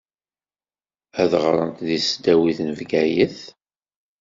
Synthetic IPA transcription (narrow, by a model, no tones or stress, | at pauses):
æðʁɾˤə̰nt̪ðisd̪æwiθnvɡæjəθ